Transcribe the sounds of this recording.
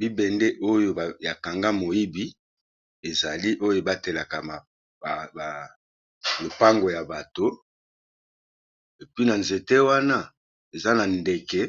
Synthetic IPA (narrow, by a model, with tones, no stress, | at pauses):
bi˦bɛ˨nde˦ʔo˦jo˦˨ja˨ka˨ŋɡa˦mo˨ji˦bi˦ | e˨za˨li˦ʔo˦jo˦ba˦te˨la˨ka˨m˨ | lo˨pa˦ŋɡo˨ja˨ba˨to˦ | e˨pi˦na˨nze˨te˦wa˦na˦ | e˨za˦na˨nde˨kɛ˦